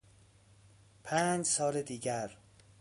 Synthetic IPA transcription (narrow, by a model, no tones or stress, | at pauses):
pʰæːnd͡ʒsɒːɾed̪iːɟæɾ